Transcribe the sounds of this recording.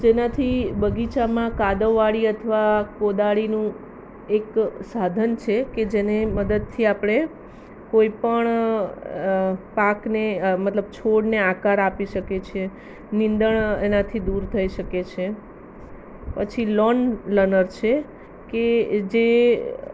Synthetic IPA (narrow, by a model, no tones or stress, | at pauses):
d͡ʒenat̪ʰibəɡit͡ʃamãkad̪əʋːaɭiət̪ʰəʋakod̪aɭinũ | eksad̪ʱənt͡ʃʰeked͡ʒeneməd̪əd̪̚t̪ʰiapɽ̃e | koipəɳ | paknemət̪ləb̚t͡ʃʰoɽneakaɾapiʃəket͡ʃʰe | nind̪əɳenãt̪ʰid̪uɾt̪ʰəiʃəket͡ʃʰe | pət͡ʃʰilɔnlənəɾt͡ʃʰe | ked͡ʒe